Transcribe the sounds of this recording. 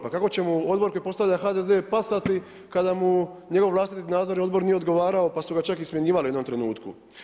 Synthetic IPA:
pakako̞t͡ɕe̞muo̞d̪boɾkojipo̞st̪aʋʎaxad̪eze̞ːpasat̪i | kad̪amuɲe̞ɡo̞ʋʋlˠaːst̪it̪inaːd̪zoɾio̞d̪bo̞ɾnije̞o̞d̪ɡo̞ʋaːɾao̞pasuɡat͡ʃakismjeɲiːʋalieomt̪ɾenuːt̪kṵ

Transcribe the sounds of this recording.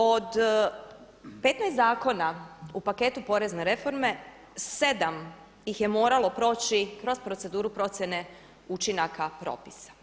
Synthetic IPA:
od̪ | pe̞t̪najszaːko̞naupake̞t̪upo̞ɾe̞zneɾe̞fo̞ɾme̞ | se̞d̪am | jixje̞moːɾalo̞pɾo̞ːt͡ʃikɾo̞spɾose̞d̪uːɾupɾo̞t̪sje̞ne̞ | ut͡ʃinakapɾo̞̰ːpisḁ

